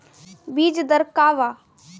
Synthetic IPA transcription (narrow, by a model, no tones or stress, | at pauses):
biːd͡ʒd̪əɾkaːʋaː